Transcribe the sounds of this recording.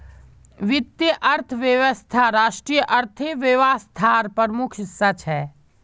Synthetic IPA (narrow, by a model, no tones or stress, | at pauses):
ʋɪt̪jəʔɐɾt̪ʰəʋjəʋəst̪ʰaɾaːʃʈɾijəʔɐɾt̪ʰeʋeʋaːst̪ʰaːɾpəɾmʊkʰsət͡ʃʰɛː